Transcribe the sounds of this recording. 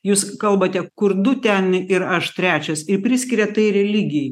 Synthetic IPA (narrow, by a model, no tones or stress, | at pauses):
juːskɐlˠbɐt̪ʲɛkʊɾd̪ʊt̪ʲɛnɪɾɐʃt̪ʲɾʲæːt͡ʃʲɛsɪɾpʲɾʲɪsʲkʲɪɾʲɛt̪ɐɪɾʲɛlʲiːɡʲɪj